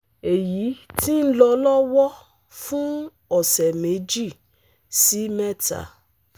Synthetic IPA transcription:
e˨ji˨˦ti˦n̩˦lɔ˧lɔ˦wɔ˦ | fũ˦ | ɔ˦˨sɛ˨me˨˦d͡ʒi˦˨ | si˨˦mɛ˦ta̰˨

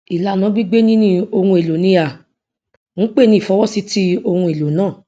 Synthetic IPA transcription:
i˨la˨nã˨˧˦ɡ͡bi˦ɡ͡be˦nĩ˦nĩ˦o˧hũ˧e˨lo˨nĩ˧ja˨ | ñ̩˦k͡pe˦˨nĩ˦˨fɔ˨˦wɔ˦si˨˦ti˦o˧hũ˧e˨lo˨nãː˦˨

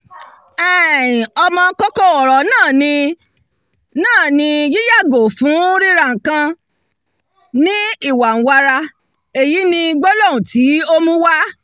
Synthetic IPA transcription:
ɛ˨ĩ˨ɔ˧mɔ̃˧˦kɔ˦kɔ˦ɔ˨ɾɔ˨nãː˦˨nĩ˧ | nãː˦˨nĩ˧ji˦ja˦˨ɡo˨fũ˨˦ɾi˦ɾa˧˦˨ŋ̩˨kã˧ | nĩ˦i˦˨wa˨n̩˨wa˧ɾa˧ | e˨ji˨˦nĩ˧ɡ͡bɔ˦lɔ̃˦˨ũ˨ti˨˦o˦mũ˦wa˦

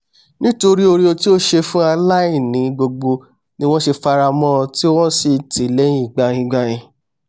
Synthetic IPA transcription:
nĩ˦to˧ɾi˦o˧ɾi˦o˧ti˦o˦ʃe˧fũ˦a˧la˦i˦˨nĩ˨˦˧ɡ͡bo˧ɡ͡bo˧ | nĩ˦w̃ɔ̃˦ʃe˧fa˧ɾa˧mɔ̃˦˧ti˦wɔ̃˦si˨ti˨le˨˦ĩ˦˨ɡ͡ba˧jĩ˧ɡ͡ba˧j̃ĩ˧

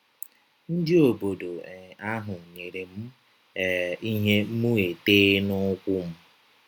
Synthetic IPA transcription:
n̩˦dɪ˦o˨bo˨do˨a˦ɦʊ˨ɲe˨ɾe˨m̩˦˨ | i˦ɦe˦mu˦e˨teː˦nʊ˦kʷʊ˦m̩˦

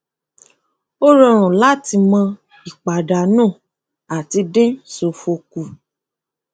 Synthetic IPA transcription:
o˦ɾɔ˧ɾ̃ũ˨la˦ti˧mã˧ | i˨k͡pa˨da˨nũː˦˨ | a˨ti˧dẽ˦so˨fo˧ku˨

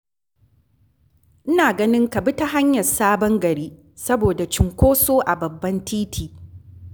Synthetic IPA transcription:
ʔɪ˦naː˨ɡɐ˦nɪ˦ŋkɐ˨bɪ˦ta˦ɦa˦ɲjɐ˨rsaː˦bɐ˦ŋɡɐ˨ɾiː˦ | sɐ˦boː˨da˨t͡ʃɪ˨ŋkʷoː˦soː˦ʔa˨bɐ˨bːɐ˦ntʰiː˦tʰiː˨

